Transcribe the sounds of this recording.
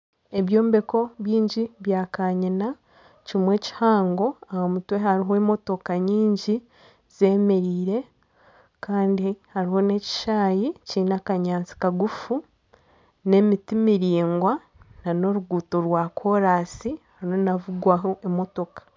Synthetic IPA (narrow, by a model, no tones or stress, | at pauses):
e̞βjo̞ːmbe̞ko̞βjiːɲɟiβjaːkaɲina | cimwe̞ːci̥haːŋɡo̞ahomutweɦaɾiɦoemo̞to̞kaɲiːɲɟi | z̥e̞me̞ɾiːɾe̞ | kaːndihaɾiho̞ne̞ci̥ʃaːjicinakaɲaːnt͡si̥kaɡufu | ne̞mitimiɾiːŋɡwa | nano̞ɾuɡuːto̞ɾwaːkʰo̞ɾaːsihhaɾnonavuɡwaɦoʔemo̞to̞kḁ